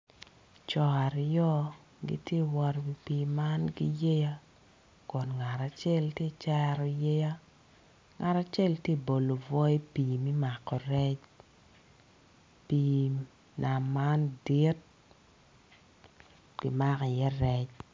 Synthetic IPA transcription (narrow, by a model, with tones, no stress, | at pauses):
t͡ʃɔ˨a˨ɾjɔ˦ | ɡḭ˦tje˦wɔ˦ɾwi˨pi˨ma˦nɡi˦je˦ja˦ | kɔ˨nŋa˨ɾa˨t͡ʃɛ˦˨ltje˦t͡ʃɛ˦ɾɔ˨je˦ja˦ | ŋa˨ɾa˨t͡ʃɛ˦˨ltje˦bo˨lo˨vɔ˦e˦piː˨mi˦ma˨kɔ˨ɾɛ˦t͡ʃ | pi˨ | nʔa˨ma˦ndi˦t̚ | ɡ̥i˨ma˦kɛ˨jɛ˦ɾɛ˦t͡ʃ